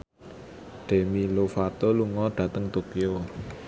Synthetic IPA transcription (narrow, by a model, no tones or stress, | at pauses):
ɖ̪̥e̤milofat̪oluŋɔɖ̪̥ä̤t̪əŋt̪okio